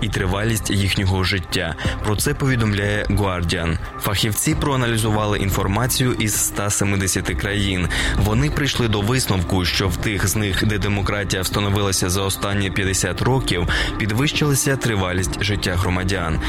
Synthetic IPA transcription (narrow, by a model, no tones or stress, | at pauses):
it̪ɾɪʋɑlʲisʲtʲjixnʲɔɦɔʒɪtʲːapɾɔt̪sɛpɔʋʲid̪ɔmlʲajɛɡʊɑrdʲiɐn | fɐxʲiwt͡sʲipɾɔɐnɐlʲizʊʋɑlˠɪʔin̪fɔrmɑt͡sʲijʊʔiz̥st̪ɑsemɪd̪esʲɐt̪ɪkɾɐjinʋɔnɪpɾɪjʃlˠɪd̪ɔʋɪsnɔwkʊʃt͡ʃɔwt̪ɪxznɪxd̪ɛd̪emɔkɾɑtʲijɐwst̪ɐnɔʋɪlˠɐsʲɐzɐɔst̪ɑnʲːipʲjɐd̪esʲat̪rɔkʲiwpʲid̪ʋɪʃt͡ʃɪlˠɪsʲɐt̪ɾɪʋɑlʲisʲtʲʒɪtʲːaɦɾɔmɐdʲan